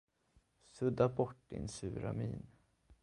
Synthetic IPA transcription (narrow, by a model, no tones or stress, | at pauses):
sɵd̪abɔʈːd̪ɪ̰nsʉːɾamiːn